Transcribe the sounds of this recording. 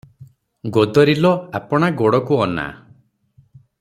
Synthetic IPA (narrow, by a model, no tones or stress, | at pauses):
ɡod̪ɔɾilɔapɔɽ̃aɡoɽɔkuɔna̰